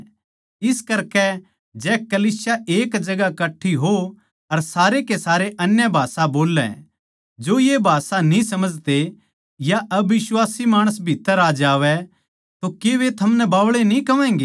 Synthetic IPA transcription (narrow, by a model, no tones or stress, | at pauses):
ɪskɐɾkɛ | d͡ʒɛːkɐliːsjaʔeːkd͡ʒɐɡakɐʈʰːiɦo | ɐɾsaːɾekesaːɾeʔɐnjabʱaːsaboːlːɛ̰ | d͡ʒoːjebʱaːsanĩsɐməd͡ʒt̪e | jaʔɐbɪswaːsimaːɽ̃əs̬bʱit̪ːəɾaːd͡ʒaːʋɛ | t̪okeʋet̪ʰɐmnɛbaːʋɭenĩkɐʋɛ̃ːŋɡeː